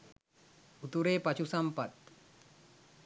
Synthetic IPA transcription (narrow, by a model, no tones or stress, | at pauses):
ut̪uɾeːpat͡ɕʰusampɐt̪̚